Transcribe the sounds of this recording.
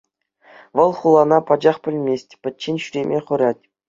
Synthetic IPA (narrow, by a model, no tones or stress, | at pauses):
ʋɤ̆lˠχulˠɑnɑpɑd͡ʑɑχpʲɘ̆lʲmʲesʲtʲpʲɘ̆t̚ʲt͡ɕːenʲɕyɾʲemʲʔeχŭɾɑtʲ